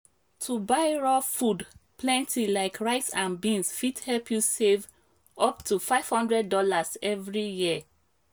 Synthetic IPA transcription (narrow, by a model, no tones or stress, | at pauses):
tʰubaɪɹɔfudplɛ̃ntʰilaɪkʰɹaɪtsãnbĩnsfithɛlpʰjusev | ɔptʰufaɪv̥hɔ̃ndɹɛd̚ːɔlazɛvɹijiə